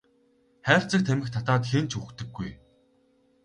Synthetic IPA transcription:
χæːr̥t͡sə̆k̚t̪ʰæmʲɘ̆xt̪ʰat̪aːt̪xent͡ɕʰukt̪ɘ̆ɡːuj

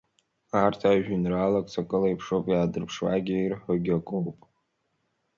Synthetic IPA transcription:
artʰaʒᶣʏnralakʼt͡sʰakʼɨlajpʰʂowpʼjaːdɨrpʰʂwa̰ɡʲijrħaɡʲakʼowpʼ

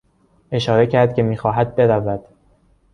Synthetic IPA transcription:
ʔe̞ʃɒːɾe̞cʰæɾd̪̥̚cʰe̞miːxɒːɦæd̪̚be̞ɾævæd̪̥

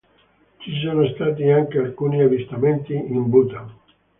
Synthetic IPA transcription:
t͡ʃis̬oːnost̪aːt̪iaŋkealkuːniavist̪ament̪iimbut̪a

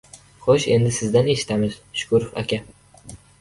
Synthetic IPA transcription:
χoʃe̞nd̪ɪsɪzd̪ane̞ʃɪ̥t̪ʰamɪz̥ʃʊ̥kʰʊɾʊfa̰kʲa

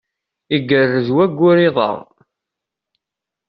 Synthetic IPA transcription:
iɡːərːəzwæɡʷːʊɾiðˤə̰ʁ

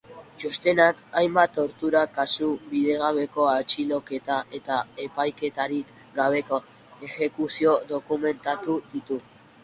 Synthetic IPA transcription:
t͡ʃost̪e̞nakajmbat̪o̞ɾt̪uɾakasuβið̞e̞ɣ̞aβ̞e̞ko̞at͡ʃilo̞ke̞t̪aʔe̞t̪ae̞pajke̞t̪aɾik | ɡaβ̞e̞ko̞ | e̞xe̞kusio̞do̞kume̞nt̪at̪uðit̪u

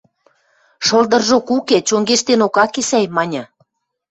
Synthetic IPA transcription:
ʃɤ̆ld̪ɤ̆rʒokuket͡ɕoŋɡeʃt̪enokɑkesæjmɑnʲɤ̆

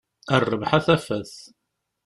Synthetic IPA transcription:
ərˤːəvħaθæfæθ

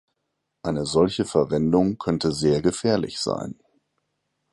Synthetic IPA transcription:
ʔaɪnəzɔlçəfɛɐvɛndʊŋkʰœntəzeːɐɡəfɛːɐlɪ̰çz̥a̰ɪn

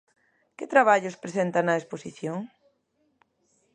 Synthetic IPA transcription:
kɪt̪ɾaβ̞aʎʊspɾesent̪anɐesposiθjoŋ

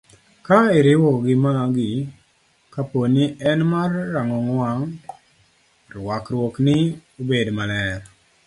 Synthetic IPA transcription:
kaɪɾɪwɔɡɪmaɡɪ | kaponiɛnmarːaŋɔŋwaŋ | rwakɾwɔknɪobedmalɛɾ

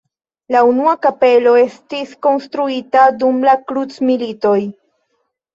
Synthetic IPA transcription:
launuakape̞lo̞e̞stisko̞nstɾuitadumlakɾut͡smilito̞j

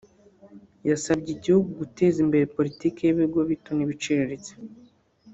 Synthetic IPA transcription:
jasabɟiɟihuɡuɡute̞ːzimbe̞ɾepo̞ɾitiːkeeβiɡoβitoniβit͡ʃeɾeɾet͡se̥

